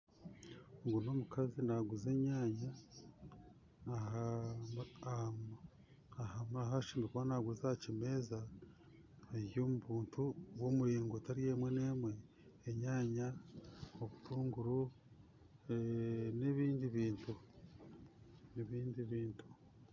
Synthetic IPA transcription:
ŋɡuno̞mukazinaɡuze̞ɲaːɲa | a | ahamaɦaʃimikuwanaɡuzaacime̞ːza | ejomuβuːntuwoːmuɾiːŋɡotaɾijemwe̞ne̞ːmwe̞ː | ɲaːɲa | oβutʰuːŋɡuɾu | neβiːndiβiːntu | neβiːndiβiːntu̥

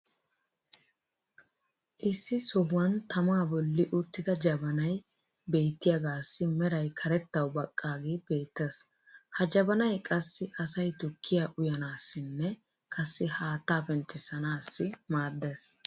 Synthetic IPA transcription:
ʔɪsːɪsɔhːɐnt̪ɐmaːbɔlːɪʔʊt̪ːɪd̪ɐd͡ʒɐbɐnɐj | be̞ːt̪ːɪjɐɡaːsːɪmɛɾɐjkʰɐɾɛt̪ːɐwbɐkʼːaːɡeːbe̞ːt̪ːes | hɐd͡ʒɐbɐnɐjkʼɐsːɪʔɐsɐjt̪ʊkːɪjaʔʊjɐnaːsːɪnːɛ | kʼɐsːɪhaːt̪ːaːbɛnt̪ːɪsɐnaːsːɪmaːd̪ːes

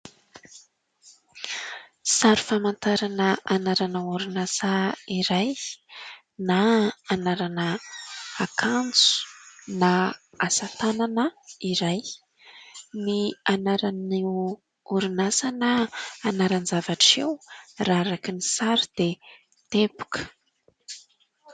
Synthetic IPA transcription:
saɾi̥famant̪aɾanəanaɾanəuɾunasaiɾaj | naanaɾanəakʰand͡zu̥na | asat̪ananəiɾaj | nianaɾani | uɾunasanəːnaɾanzavaʈ͡ʂewraɾakinisaɾid̪̥e | t̪ebu̥kʰə̥

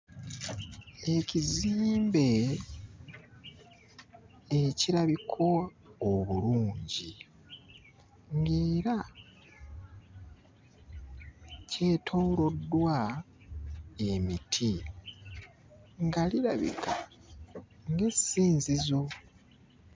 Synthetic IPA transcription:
e̞ciziːmbe̞ | eciɾaβikʰo̞ː | βuluːɲɟi | ŋɡe̞ːɾa | ce̞ːtʰoːlo̞dːwa | e̞mitʰi | ŋɡaliɾaβḭkʰa | ŋɡe̞siːnzizo̞

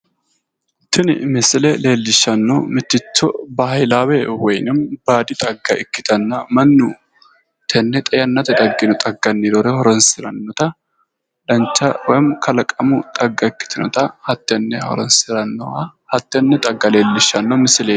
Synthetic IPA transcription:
t̪ʰːɪnɪmɪsɪlɛle̞ːlːɪʃːɐnːɔ̰mɪt̪ːɪt͡ʃːɔbɐhɐjlaːwɛwɔjnɪmbaːd̪ɪt̪ʼɐɡːɐʔɪkːɪ̥t̪ɐnːɐmɐnːu | t̪ʰɛnːɛt̪ʼɐjɐnːɐt̪ɛt̪ʼɐɡːɪnʊt̪ʼɐɡːɐnːid̪ɔɾɛhɔɾɔnsɪɾɐnːɔt̪ɐ | d̪̥ɐnt͡ʃːɐwɔjɪmkʰɐlɐkʼːɐmʊt̪ʼɐɡːɐɪkːɪ̥t̪ʰɪnɔ̰t̪ɐhɐt̪ːɛnːɛhɔ̰ɾɔnsɪɾɐnːɔɐhɐt̪ːɛnːɛt̪ʼɐɡːɐle̞ːlːɪʃːɐnːɔmɪsɪle

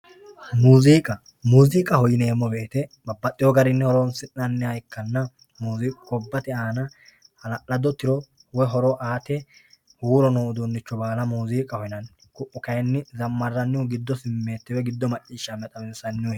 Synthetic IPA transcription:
muːziːkʼɐ | muːziːkʼɐhɔjɪneːmːɔbe̞ːt̪ɛbɐbːɐt̪ʼːɪjɔɡɐɾɪnːɛhɔɾoːnsɪnnɐnːɛhɐjkːɐnːɐ | muːziːkʼʊkɔbːɐt̪ɛaːnɐ | hɐlɐʔɐd̪ɔt̪ːɪɾɔ | wɔɦɔɾɔʔaːt̪ɛ | huːɾɔnoːʊd̪unːɪt͡ʃːɔbaːlɐmuːziːkʼɐhɔjɪnɐn | kʊʔːʊkɐjnːɪzɐmːɐrːɐnːɪwʊɡɪd̪ːɔsɪmːe̞ːt̪ːɛwɛɡɪd̪ːɔmɐt͡ʃʼːiːʃːɐmɛt̪ʼɐmɛnsɐnːɪʊ

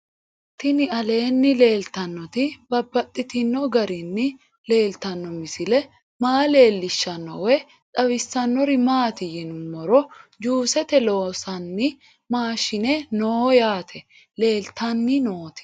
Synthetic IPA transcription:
t̪ɪnɪɐle̞ːnːɪle̞ːlt̪ɐnːɔt̪ɪbɐbːɐt̪ʼːɪt̪ɪnːɔɡɐɾɪnːɪ | le̞ːlt̪ɐnːɔmɪsɪlɛ | maːle̞ːlːɪʃːɐnːɔwɛ | ᶑʼɐβɪsːɐnːɔɾɪmaːt̪ɪjɛnʊmːɔɾɔd͡ʒuːsɛt̪ɛlo̞ːsɐnːɪ | maːʃɪnɛnoːjaːt̪ʰɛ | le̞ːlt̪ɐnːɪno̞ːt̪ɪ̥

